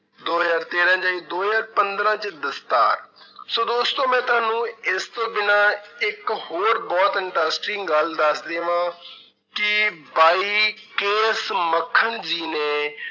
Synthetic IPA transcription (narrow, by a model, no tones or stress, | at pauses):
d̪oːɦzaːɾt̪eːɾãːd͡ʒaːiːd̪oːɦzaːɾpənd̪ɾãːt͡ʃd̪əst̪a̰ːɾsoːd̪oːst̪õːmɛ̃ːt̪ʊaːnũːɪst̪õːbɪnãːɪkhoːɾbɔːt̪ɪɳʈaːsʈɾiŋɡəld̪əsd̪eːʋãː | kɪbaːiː | keːsməkʰːənd͡ʒiːneː